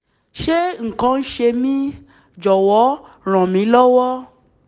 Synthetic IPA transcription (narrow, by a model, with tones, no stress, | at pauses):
ʃe˦ŋ̩˨kã˧n̩˦ʃe˧mĩ˦ | d͡ʒɔ˨wɔ˨˦ | ɾ̃ã˨mĩ˨˦lɔ˦wɔ˦